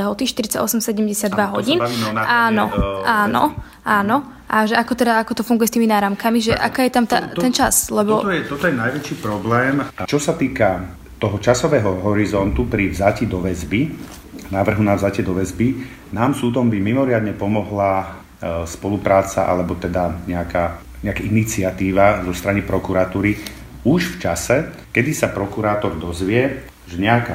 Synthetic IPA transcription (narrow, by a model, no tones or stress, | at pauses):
ɛɦɔt̪iʃt̪iɾit͡saɟɔsɛmsɛɟɛmɟɛsad̪ʋaɦɔ̰ɟiːnaːnɔ̰ʔaːnɔ̰ | ʔaːnɔ | ʔaʒɛakɔt̪ɛd̪aakɔt̪ɔfuŋɡujɛst̪iːminaːɾamkamiʒɛʔa̰kaːjɛt̪amt̪a̰t̪ɛnt͡ʃaslɛb̪ɔt̪jɛt̪ɔt̪ɔjɛnajʋɛt͡ʃiːpɾɔblɛːmt͡ʃɔsat̪iːka | t̪ɔɦɔt͡ʃasɔʋɛːɦɔɦɔɾizɔnt̪upɾivzacid̪ɔʋɛzbi | naːʋr̩ɦunavzacɛd̪ɔʋɛzbi | naːmsuːd̪ɔmbimimɔɾɪad̪ɲɛpɔmɔɦla | spɔlupɾaːt͡sa̰ʔa̰lɛbɔt̪ɛd̪aɲɛaka | ɲɛakaʔinit͡sɪat̪iːʋazɔst̪ɾanipɾɔkuɾat̪uːɾi | uʒft͡ʃasɛkɛd̪isapɾɔkuɾaːt̪ɔɾd̪ɔzʋɪɛ | ʒɛɲɛaka